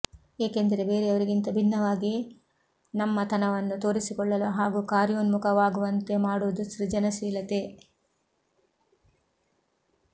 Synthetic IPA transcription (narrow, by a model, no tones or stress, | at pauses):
eːkend̪ɐɾe̞be̞ːɾeɐʋɐɾiɡint̪ɐbʱinːɐʋaːɡi | nɐmːɐt̪ʰɐnɐʋɐnːut̪o̞ːɾisikɔɭːɐluɦaːɡukaːɾjoːnmukʰɐʋaːɡuʋɐnt̪e̞maːɽuʋɐd̪uʃɾid͡ʒɐnɐsiːlɐt̪e